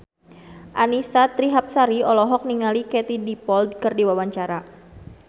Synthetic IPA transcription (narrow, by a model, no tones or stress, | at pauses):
ʔanisat̪ɾiɦap̚saɾiɔlɔɦɔk̚niŋalikɛt̪idipɔld̪̚kɨrdiwawaɲt͡ʃaɾa